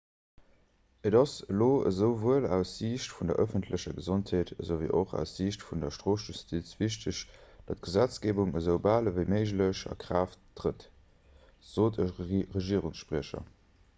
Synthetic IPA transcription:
ədɑsəloːə̰zəʊvuəlæʊsziːɕtfundɐ̰ʔəfəntʰləɕɐɡəzontheːtəzoʊvḭːʔoχæ̰ʊsziːɕtfundɐʃtʁoːsʒ̥ustʰit͡sv̥iɕtəɕd̥ɑt̚ɡ̥əzæt͡sɡ̥eːbuŋəzəʊbaːləvəɪməɪʒləɕɑ̰kʁaːftːʁət | z̥oːtʰəʁəʒiːəʁuŋsʃpʁiəʃɐ̰

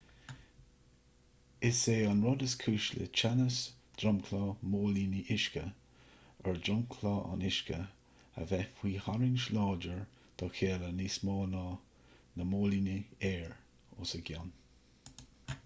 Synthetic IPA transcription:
ɪseːɑnɹɔd̪əskʰuːʃlə̰t͡ʃʰanəs | d̪̥ɹɔmkʰlɑːmoːliniʔɪʃkə | ɛɹd̪ɾɔmkʰlɑːʔa̰nɪʃkə | ə̰vɛfwiːhaɹɪnʃlɑːd͡ʒəɹ | d̪̥ɔkʰeːlənismɑːnɑː | nəmoːliniɛːɹ | ʊ̰səɡʲan

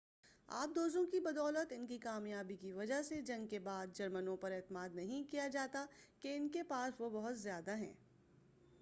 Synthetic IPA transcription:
a̰ːp̚d̪oːzõkibɐd̪ɔːlət̪ɪnkikaːmjaːbikiʋɐd͡ʒaɦsed͡ʒɐ̃ŋɡkebaːd̪̚d͡ʒɐɾmənõpɐɾɛːt̪əmaːd̪nɐɦĩkijad͡ʒaːt̪akeɪnkepaːsʋobɐɦʊt̪zjaːd̪aɦɛ̰̃ː

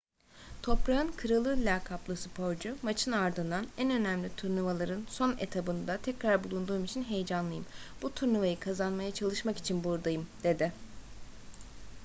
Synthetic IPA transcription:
t̪ʰo̞pɾaɯnkʰɯɾalˠɯlʲakʰaplˠasɯpʰo̞ɾd͡ʒumat͡ʃʰɯnaɾd̪ɯnd̪anænø̞næmlʲit̪ʰuɾnɯvalˠaɾɯnso̞net̪ʰabɯnd̪at̪ʰɛcɾaɾbulˠund̪uːmit͡ʃʰinɦe̞jd͡ʒanlˠɯjɯmb̥ut̪ʰuɾnɯvajɯkʰazanmajat͡ʃʰalˠɯʃmaki̥t͡ʃʰinbuɾd̪ajɯmd̪̥e̞d̪ɪ

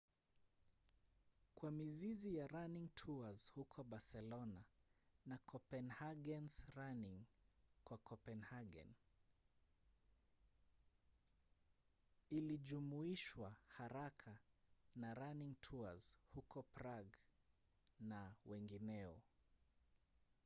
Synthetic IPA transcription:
kwamizizijaɾaniŋtʰuazhukʰɔɓasɛlɔnanakʰɔpɛnhaɠɛnsɾaniŋkwakɔpɛnhaɡɛ̰n | iliʄumuiʃwahaɾakʰanaɾaniŋtʰuaz̥hukɔpɾaɡ | nawɛŋɡinɛɔ̰

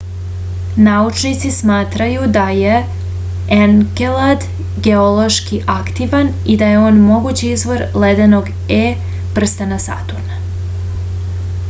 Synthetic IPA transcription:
naut͡ʃnit̪sismaːt̪ɾajud̪aje̞ | eŋɡelad̪ | ɡe̞o̞lo̞ʃkiʔakt̪iʋan | id̪aje̞o̞ːnmo̞ɡut͡ɕiizʋo̞ɾled̪eno̞ɡ | e | pr̩st̪anasa̰t̪uɾna

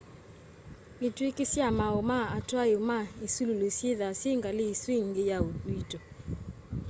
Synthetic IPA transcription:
etwekɪsjamaomaatwaeomaesululosjeðasjeŋɡaleisweŋɡejaouitɔ

